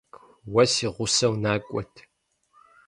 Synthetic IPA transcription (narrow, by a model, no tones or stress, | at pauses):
wɐsiːʁʷʊsɐwnaːkʷʼɔtʰ